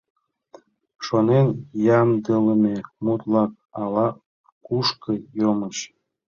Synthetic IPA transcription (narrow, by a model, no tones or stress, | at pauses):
ʃonenjɑmd̪ələmemut̪lɑk̚ | ɑlɑ | kuʃkəjoməɕ